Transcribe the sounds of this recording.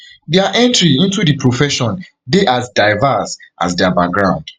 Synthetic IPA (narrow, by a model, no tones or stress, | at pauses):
deaʔɛ̃ntɹiĩntudipʰɹofɛʃɔ̃n | deʔasdaɪvasʔa̰sdeabak̚ɡɹãʊ̃nd̥